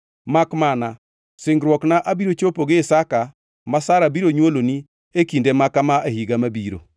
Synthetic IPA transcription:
makmana | sɪŋɡɾwɔknaʔabiɾot͡ʃopoɡɪːsaka | masaɾabiɾoɲwoloni | ekindemakamaehiɡamabiɾo̰

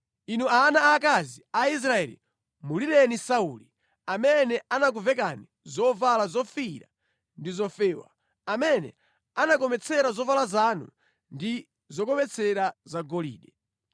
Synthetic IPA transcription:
inuaːnaːk̬aziais̬ɾaɛ̰lḭ | mulilɛnisauli | amɛnɛanak̬uvɛkani | zɔvalazɔfiɾa̰ | ndizɔfɛːwa̰ | amɛnɛ̰ | anak̬ɔmɛt͡sʰɛɾazɔvalazanṵ | ndi | zɔk̬ɔmɛt͡sʰɛɾazaɡɔlḭːɗɛ

